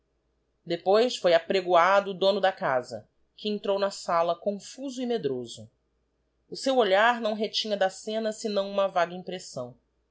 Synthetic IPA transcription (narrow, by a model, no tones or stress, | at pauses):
d̪epojsfojapɾeɡuad̪ʊːd̪õnʊd̪ɐkazɐ̰ | kɪẽnt̪ɾownɐsalɐkõfuzʊimed̪ɾozʊ | ʊsewoʎaɾnɐ̃w̃ɦet͡ʃĩɲɐd̪ɐsẽnɐsɪnɐ̃w̃ũmɐvaɡɐĩpɾesɐ̃w̃